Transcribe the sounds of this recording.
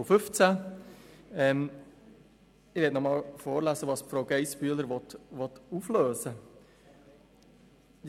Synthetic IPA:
fʏft͡sæ | ɛm | ɪʋeːtnɔmɑːlfoːɾlæsəʋɑːsfɾoʊɡeɪspyːələɾʋɔt̪ʋɔt̪uːfløːsə

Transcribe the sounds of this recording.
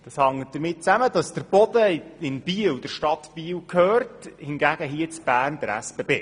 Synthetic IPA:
d̥ɑshɑŋəd̥̪əɾmɪt̚t͡sæmədɑsd̥əɾb̥ɔdəɪnb̥iːəwd̥əɾʃtɑtb̥iːwkʰhøːrthɪnɡæɡ̥əɦiət͡sb̥æːrnd̥əɾæ̰sb̥ebḛː

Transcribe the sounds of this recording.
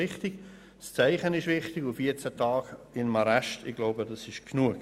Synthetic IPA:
ɪχtɪɡ̥ | st͡sæɪχənɪʃvɪχtɪɡufiət͡sætʰɑːɡɪnmɑɾaʃtɪɡ̥laʊbədɑsɪʃkʰnuək

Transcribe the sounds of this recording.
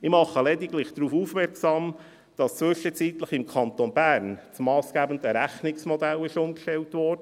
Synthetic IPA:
ɪmɑχəlɛdiɡlɪχd̥ɾuːfuːfmɛɾksɑːm | d̥ɑst͡sʋʏʃət͡siːt̪ləχɪmkʰɑnt̪onbæːɾnt͡smɑːsɡ̥æbən̩dəɾæχnɪksmɔd̪ælɪʃʊmkʃtɛltʋɔːrd̥ə

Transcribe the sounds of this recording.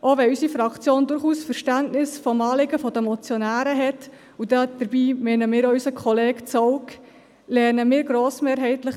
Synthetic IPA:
ʔoʋɛysifɾɑkt͡sjoːndʊɾχuːsfəɾʃtæntnɪsfɔmɑːlɪɡəfɔd̥əmɔt͡sjonæːɾəɦɛt | udɑd̪̥əɾbiːmɛnəmɪːɾɔysəkʰχɔleːkt͡sɔwk | lɛːnəmɪːɾɡɾoːsmeːɾɦɛɪtləχ

